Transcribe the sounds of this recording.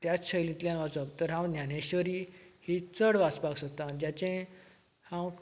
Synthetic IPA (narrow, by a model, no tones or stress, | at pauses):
t̪jat͡sɕəjlĩt̪ljãnʋat͡sək̚t̪əɾɦãwnjaneɕʋəɾiːhit͡səɽʋasbaɡsot̪anid͡ʑjat͡ɕẽ | hãw